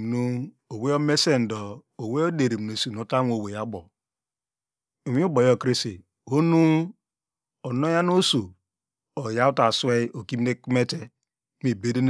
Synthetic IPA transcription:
nu˦ | o˨we˦o˦me˦se˦n̩˨do˨o˨we˦o˦de˨ɾi˨m˨no˨si˨no˨˦ta˦m˦o˨we˨ja˦bɔ˨ | o˨mi˦u˦bo˨jo˦˨kɾi˦si˨ | ho˦nu˦ | o˨no˦ja˦n˦o˦so˨ | o˨ja˦u˦ta˨swe˦o˨ki˦m˦ne˦ki˦me˦te˦ | mi˨be˦de˦n

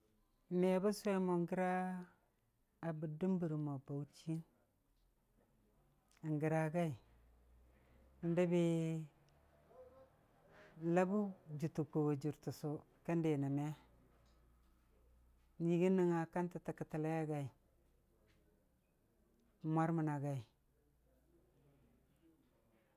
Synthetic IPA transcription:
me˨˦ba˦sʷe˦mo˨ŋɡi˦ɾa˦˨ | bu˨di˦mbu˨ɾma˨ba˨u˦t͡ʃi˦n˨ | ŋɡi˨ɾa˨ɡa˦i˨ | n˦da˦bi˦ | la˦bu˦d͡ʒu˨tu˨ku˨wa˨d͡ʒu˨ɾtu˨su˨ | ka˦nde˨na˨me˦ | nji˨ɡi˦ni˦ŋa˨ka˦nti˨ta˨ki˨ta˨la˦ja˦ɡa˨i˨ | mʷa˦ɾma˨na˨ɡa˨i˨

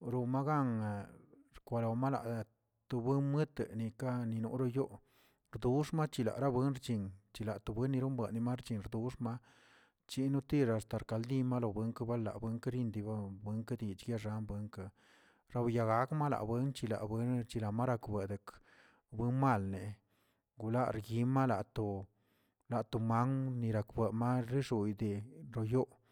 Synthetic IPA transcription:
ɾo˧ma˦ɡa˦ŋ˨ | ɾkʷa˧lo˨ma˦la̰˨ʔ | t̪u˧bɨ˦nmɨ˦t̪ni˧ka˦ni˧nṵ˧ʔɾo˧jo˦ʔ | ɾd̪u˦ʂma˦t͡ʃi˧la̰˨ʔɾa˦bwɨ˦nɾt͡ʃi˨ŋt͡ʃi˧la˨t̪u˨bʷwe˦nːi˧ɾu˦mba˨ʔni˧ma˦ɾt͡ʃi˧nɾd̪u˨˦ʂma˦ | t͡ʃi˧nu˦t̪i˦ɾa˨st̪a˨ɾka˧ld̪i˦ma˦lo˧˨be˧˦ŋka˦ba˦lːa̰˨be˧˦ŋka˦ɾi˧nd̪i˧ba˦be˧˦ŋka˦d̪i˨t͡ʃɡja˦ʐa˧˦nbwe˧ŋka˧ | ɾa˧wja˧ɡa˦kma˦la̰˨ʔbwe˦nt͡ʃi˧la̰˨bʷe˦nt͡ʃi˧la˨ma˦ɾa˧kbe˨d̪e˨k | be˦nma˦˨lne˨ | ɡu˨la˦ɾɡi˧˦ma˦la˨ʔt̪o˨ | la˨ʔt̪o˨ma˦ŋni˧ɾa˨kbe˨ma˦ɾi˦ʂu˨jd̪e˨ɾo˨jo˦ʔ

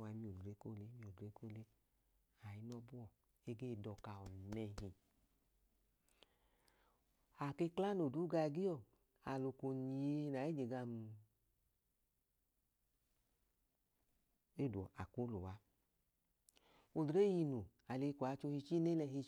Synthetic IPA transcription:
wa˧˦mi˧o˨dɾe˨˦ko˦˨le˦mi˧o˨dɾe˨˦ko˦˨le˦ | a˨i˧˦nɔ˧bu˦ɔ˨ | e˧˦ɡe˦˨dɔ˧ka˧˨ɔ˨nɛ˧ɦi˨ | a˨ke˧kla˦no˨du˨˦ɡa˧ɡi˦ɔ˦˨ | a˨lo˨ko˨ni˨e˧na˨e˦d͡ʒe˨ɡa˧˨m˧ | e˦˨du˨ɔ˨a̰˨ku˨˦lo˨wa˨˦ | o˨dɾe˦ji˧nu˨ | a˨le˧kʷa˨˦t͡ʃo˧hi˧t͡ʃi˦ne˦lɛ˧ɦi˧

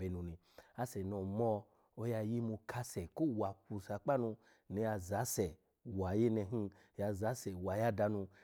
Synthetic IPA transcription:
e˧nũ˨nĩ˨ | a˦sɛ˨nɔ˨mɔ˧ | o˧ja˧ji˦mu˧kʰa˦sɛ˨ko˦˨wa˨ku˧sa˧k͡pa˦nũ˧ | ni˧ja˧za˨˦sɛ˨ | wa˨je˦nɛ˧ɦi˧˨ | ja˧za˨˦sɛ˨wa˨ja˦da˧nu˧

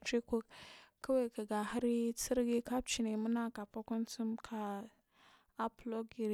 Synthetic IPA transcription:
t͡ʃi˦ku˦kka˦we˦kə˨ɡa˨ha˦ɾi˦t͡si˦ɾɡi˦ka˦b̚t͡ʃi˨ne˨mu˦na˦ka˨pa˦ku˦nt͡su˦mkʰa˨ | a˦plo˦ɡi˨ɾi˦

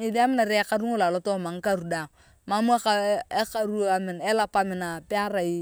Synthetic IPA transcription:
ɪ˨di˦a˦mɪ˦na˨ɾɛ˦ka˦ɾu˦ŋo˦la˨lɔ˦to˦˨ma˨ŋ̩˦ka˦ɾu˨da˨ŋ | ma˦mu˦a˦ka˨e˦ka˨ɾu˦a˨mɪ˨nɛ˦la˦pa˦mɪ˨na˨pɪ˦a˦ɾa˨i˦

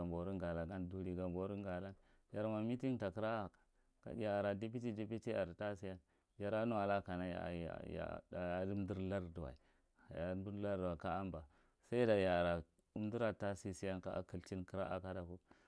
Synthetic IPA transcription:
a˨mbo˨ɾu˦ŋɡa˨la˨ɡa˦ndu˨li˨ɡa˨mbo˨˦ɾu˦ŋ˦ɡa˨la˦n | ja˨ɾma˨mi˦ti˦nta˨ki˦ɾa˦a˨ḁ˨ | ka̰˨˦ja˨ɾa˨di˦p̬i˦ti˦di˦pi˦ti˦a˨ɾta˦si˦ja˦n | d͡ʒa˨ɾa˦nu˦a˨la˦ka˨na˦ja̰˨ja̰˨a˨ja˦di˦m˦du˦ɾla˦ɾdu˨a̰˨i˨ | ja˨˦du˦la˦ɾda˨ka˦a˦mba˨ | sa˦i˦da˨ja˨ɾa˨ | u˦m˦di˦ɾa˨ta˦si˦si˦ja˦nka̰˦ʔa̰˦ki˨lt͡ʃi˦nki˦ɾa˦ʔa̰˨ka˦da˨ku˦

